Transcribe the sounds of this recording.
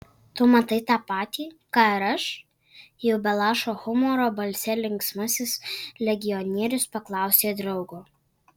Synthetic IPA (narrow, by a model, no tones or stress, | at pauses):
t̪oːmɐt̪ɐɪt̪ɑːpɑːt̪ʲiːkɑːɪɾɐʃ | jɛʊbʲɛlˠɑːʃoːxʊmɔɾoːbɐlʲsʲɛlʲɪŋksmɐsʲɪslʲɛɡʲɪjɔnʲiɛɾʲʊspɐklˠɑˑʊsʲeːd̪ɾɒʊɡʊ